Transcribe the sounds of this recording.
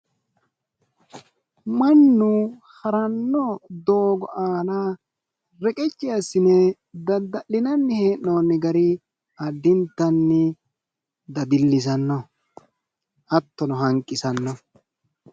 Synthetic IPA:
mɐnːʊ | hɐɾɐnːɔd̪oːɡɔʔaːna | ɾɛkʼɛt͡ʃʼːɪjasːɪnɛ | d̪ɐd̪ːɐʔːɪnɐnːɪheːnnoːnːɪɡɐɾɪ | ɐd̪ːɪnt̪ːɐnːɪ | d̪ɐb̪ɪlːɪs̬ɐnːɔ | ʔɐt̪ːɔnɔɦɐŋkʼːɪsɐnːɔ

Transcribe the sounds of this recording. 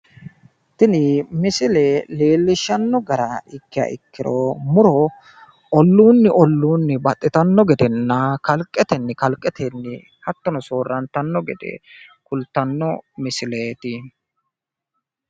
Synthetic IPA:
t̪ɪnɪmɪsɪleleːlːɪʃːɐnːɔɡɐɾɐɪkːɪjɐ̰ʔɪ̰kːɪɾomʊɾɔ | ʔɔlːuːnːɪʔɔlːuːnːɪbɐt̪ʼːɪt̪ɐnːɔɡɛd̪ɛnːɐkɐlkʼːɛt̪ɛnːɪkɐlkʼːɛt̪ɛnːɪ̰ | hɐt̪ːɔnɔsoːrːɐnt̪ɐnːɔɡɛ̰d̪ɛ̰kʊlt̪ːɐnːɔmɪsɪleːt̪ɪ

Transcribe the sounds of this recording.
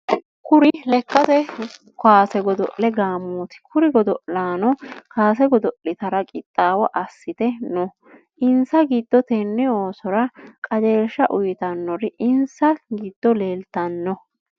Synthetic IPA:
kʊɾɪlɛkːɐt̪ɛ | kwaːsɛɡɔd̪ɔ̰ʔlɛɡaːmuːt̪ɪ̥kʰʊɾɪɡɔd̪ɔʔlaːnɔkaːs̬ɛɡɔd̪ɔʔɪt̪ɐɾɐkʼɪt̪ʼːaːwɔʔɐsːɪt̪ɛnɔ | ɪnsɐɡid̪̥ːɔt̪ɛnːɛoːsɔɾɐkʼɐd͡ʒeːlʃːɐʔʊjt̪ɐnːɔɾɪʔɪnsɐɡiːd̪̥ːɔleːlt̪ɐnːɔ

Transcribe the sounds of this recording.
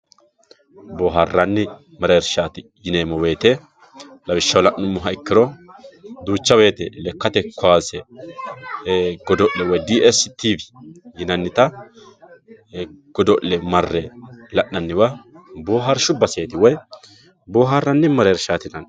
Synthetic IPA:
boːɦɐrːɐnːɪ | mɐɾeːɾʃaːt̪ɪjɪneːmɔwe̞ːt̪ɛ | lɐwɪʃːɐwlɐʔnːʊmːʊɦɐɪkːɪɾɔ | d̪uːt͡ʃːɐbe̞ːt̪ɛlɛkːɐt̪ɛkːʊaːsɛ | ɡ̥ɔd̪ɔʔlɛwɔjd̪iːɛst̪iːbjɪnɐnːɪt̪ɐ | ɡ̥ɔd̪ɔʔːɛmɐrːɛlɐʔːɐnːɪwɐboːɦɐɾʃʊbɐseːt̪ɪwɔj | boːɦɐrːɐnːɪmɐɾeːɾʃaːt̪ɪnɐn

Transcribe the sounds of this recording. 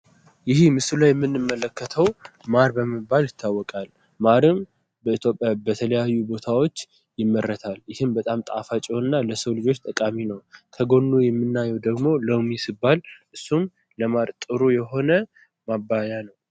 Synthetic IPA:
jɪhimɨsulajɛmːɨnːɨmːələkʰːət̪ʰəwmaɾbəməbaljɪt̪ʰːawːɔkʼal | maɾɨm | bəit̪ʰjo̞pʼjabət̪ʰələjajːubo̞t̪ʰawo̞t͡ʃː | jɪmːəɾːət̪ʰaljɪhɨmbət̪ʼamt̪ʼa̰fat͡ʃʼoɨnːaləsəwlɨd͡ʒo̞t͡ʃːt̪ʼəkʼaminəwkʰəɡo̞nːujɛmːɨnːajɛwd̪əɡmo̞ləwmisɨbːalʔɨsːum | ləmaɾt̪ʼɨɾujɛɦo̞nə | mabːajanəw

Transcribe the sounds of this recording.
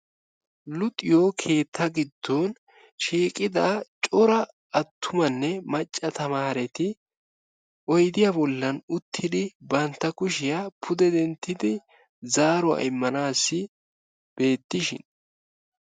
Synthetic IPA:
lʊt̪ʼɪjoːkʰe̞ːt̪ʰːɐɡɪd̪ːoːn | ʃiːkʼɪd̪at͡ʃʼɔɾɐ | ɐt̪ʰːʊmɐnːɛmɐt͡ʃʼːɐt̪ɐmaːɾɛt̪ɪ | ʔɔjd̪ɪjabɔlːɐnʊt̪ʰːɪd̪ɪbɐnt̪ːɐkʊʃɪjapʰʊd̪ɛd̪ɛnt̪ːɪd̪ɪ | zaːɾʊa̰ɪmːɐnaːsːɪ | b̥e̞ːt̪ːɪʃɪ̰n

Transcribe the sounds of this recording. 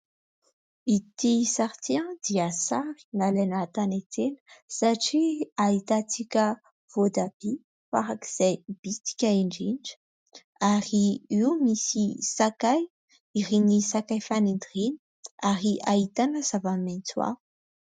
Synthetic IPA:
it̪isaɾt̪iãd̪iəsaɾi̥nalanat̪anet̪enə̥saʈ͡ʂiait̪at͡sikʲə | v̥od̪ab̥i | fa̰ɾaki̥z̥ajb̥it̪i̥kʲaeɳɖ͡ʐinɖ͡ʐə̥ | aɾiiumisisakaj | iɾinisakajfanend̪rini̥ | aɾiʔait̪anəz̥avament͡suwa̰̥

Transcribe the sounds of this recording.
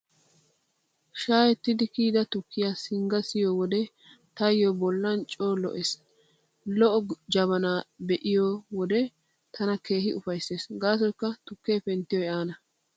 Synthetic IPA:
ʃaːjɛt̪ːɪd̪ɪkiːd̪ɐt̪ʊkːɪjaːsɪŋɡɐsɪjɔwɔd̪ɛ | t̪ɐjjɔbɔlːɐnt͡ʃʼoːlɔ̰ʔeːs | lɔʔɔd͡ʒɐβɐnaːbɛʔɪjɔwɔd̪ɛ | t̪ʰɐnɐke̞ːhɪʊfɐjsːe̞ːsɡaːs̬ɔjkːɐt̪ʊkːeːfɛnt̪ːɪjɔjaːnɐ

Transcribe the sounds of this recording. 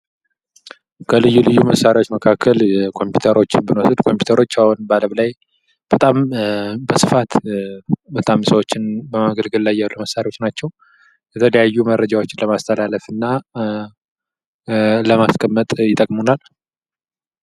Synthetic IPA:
kʰəlɨjːulɨjːuməsːaɾiwo̞t͡ʃːməkʰakːəlkʰo̞mpju̥t̪ʰəɾo̞t͡ʃːɪnbɨnwosɨd̪kʰo̞mpju̥t̪ʰəɾo̞t͡ʃːahunbaləβlaj | b̥ət̪ʼambəsɨfat̪ | bət̪ʼamsəwot͡ʃːɪnbəmaɡəlɡɨlːajːaluməsːaɾio̞t͡ʃːnat͡ʃːɛw | jɛt̪ʰələjajːuməɾːəd͡ʒawo̞t͡ʃːɪnləmast̪ʰəlaləfɨnːa | ləmaskʼəmːət̪ʼjɪt̪ʼəkʼmunal

